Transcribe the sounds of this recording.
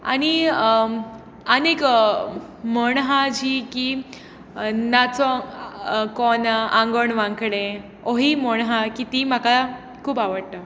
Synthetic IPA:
a̰ɽ̃i | ənek | məɳɦãd͡ʑiːki | nat͡sɔ | kɔnãŋɡoɳʋãŋkɽẽ | oɦiːməɳɦãkit̪imaka | kʰuːbaʋəɽt̪ə

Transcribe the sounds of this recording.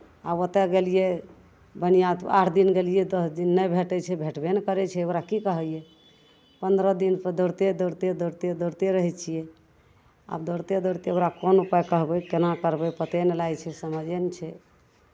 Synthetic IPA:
abot̪ɛɡelije | bənijat̪aʈʰd̪inɡelijɛd̪əsd̪inːəjbʱeʈɛt͡ʃʰɛbʱeʈbenkəɾɛt͡ʃʰɛoɾakikəɦəjɛ | pənd̪ɾəd̪inpd̪əɾt̪ed̪əɾt̪ed̪əɾt̪ed̪əɾt̪eɾəɦɛt͡ʃʰijɛ | a̰bd̪əɾt̪ed̪əɾt̪eoɾakonupajkəɦbɛkenakəɾbɛpət̪enelajt͡ʃʰɛsəməd͡ʒent͡ʃʰɛ

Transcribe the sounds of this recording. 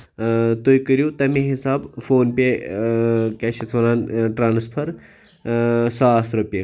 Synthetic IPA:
t̪ojkəɾjut̪ɐmẽɦisaːbfoːnpʲe | kaːʃʰit̪ʰolaːnʈɾaːnspʰɐɾ | saːsɾɐpʲe

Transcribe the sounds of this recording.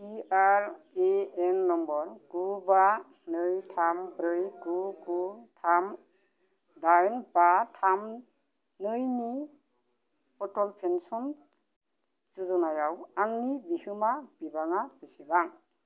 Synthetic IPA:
iaɾ | eenːɔmbɔɾɡ̥uba | nɯjtʰambɾɯjɡuɡutʰam | dajnbatʰam | nɯjni | pɔtɔlpʰensɔn | zuzɔnajawaŋnibihɯmab̥ibaŋab̥isibaŋ

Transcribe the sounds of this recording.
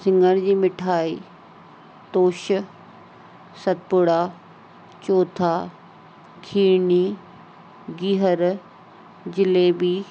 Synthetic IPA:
sɪ̃ŋɡəɽ̃d͡ʑiːmɪʈʰaːiː | t̪oːʃ | sɐt̪̚pʊɽaː | t͡ɕoːt̪ʰaː | kʰiːɳiː | ɡiɦəɾ | d͡ʑɪleːbiː

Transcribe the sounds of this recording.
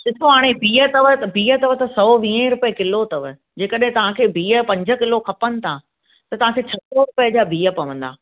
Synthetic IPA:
sɪt̪ʰoɦaːɽ̃ebiːət̪ɐʋəbiːət̪ɐʋət̪ɐsɔːʋĩːə̃ɾʊpəəkɪlot̪ɐʋə̆ | d͡ʑeːkəɗɦɪ̃t̪ɐʋ̤ãkʰeːbiːə̆pɐ̃ɲd͡ʑə̆kɪlokʰɐpənɪ̆t̪ʰa | t̪ɐt̪ɐʋ̤ãkʰeːt͡ɕʰɐsoɾʊpəd͡ʑaːbiːə̆pɐʋə̃n̆d̪a̰ː

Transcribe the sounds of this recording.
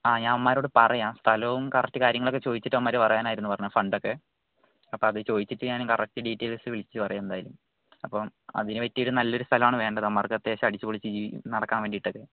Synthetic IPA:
aːɲaːnɐʋɐmːaːɾoːɽɨpɐrɐjaːnst̪ʰɐlɐʋumkɐrɐk̚ʈːɨkaːɾjɐŋːɐɭokːet͡ɕo̞ːðit͡ɕːiʈːɐʋɐmːaːɾupɐrɐjaːnaːjiɾunːupɐrɐɲːafɐɳɖo̞kːe̞ | ɐpːoːɐðɨt͡ɕo̞ːðit͡ɕːiʈːɨɲaːnkɐrɐk̚ʈːɨɖiːʈːeːlsɨʋiɭit͡ɕːɨpɐrɐjamend̪aːjḭlum | ɐpːomɐ̰ðinɨʋetːijoɾunɐlːo̞ɾust̪ʰɐlɐmaːɳɨʋe̞ːɳɖɐðɐɐmːaːrkɐt̪ːeɕɐɐɽit͡ɕːɨpoɭit͡ɕːɨd͡ʑḭːnɐɽɐkːaːnʋeːɳɖiʈːo̞kːe̞

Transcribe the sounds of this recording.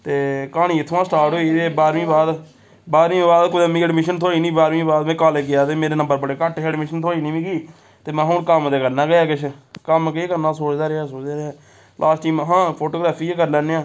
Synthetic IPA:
t̪eːkaːnĩːɪt̪ʰʋãːsʈaːɾʈɦoːiːt̪eːbaːɾʋĩːbaːd̪ | baːɾʋĩːbaːd̪kʊd̪ãːmĩːəɖmɪʃənt̪ʰoːɽiːnĩːbaːɾʋĩːbaːd̪mɛ̃ːkaːleːɡɪjaːt̪eːmeːɾeːnə̃mbəɾbəɽeːkəʈeːɖmɪʃənt̪ʰoːɽiːnĩːʋĩːɡiː | t̪eːmɛ̃ːɦõːnkəmd̪eːkəɾnãːɡəjaːkɪt͡ʃʰkəmkeːkəɾnãːsoːd͡ʒd̪aːɾɪaːsoːd͡ʒd̪aːɾɪaː | lʔaːsʈiːmɦãːpʰoːʈoːɡɾaːpʰiːeːkəɾlɛːneːãː

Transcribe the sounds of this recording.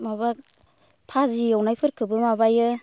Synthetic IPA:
maba | pʰazijawnajpʰɯɾkʰɯbɯmabajɯ

